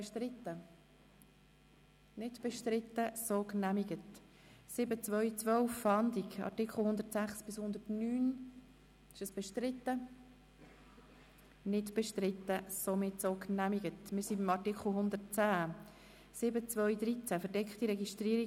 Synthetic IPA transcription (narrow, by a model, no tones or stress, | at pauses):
ʃtɾɪt̪ːə | nɪdb̥ɛʃtɾɪt̪ːəsoknæmiɡət | sɪbət͡svœʏt͡sʋœlfɑnd̪iɡɑ̰ɹtɪkʰχl̩hʊnd̪ətsæχsb̥ɪshʊnd̪ətnyːn | ɪʃəsb̥ɛʃtɾɪtːə | nɪdb̥ɛʃtɾɪt̪ːəsomɪtsoknæmiɡətmɪɾsibimɑtɪkχl̩ɦʊnd̪ət̚t͡sæː | sɪbət͡svœɥd̪ɾit͡sæfəɾdɛkχt̪iɾɛɡiʃtɾiːɾi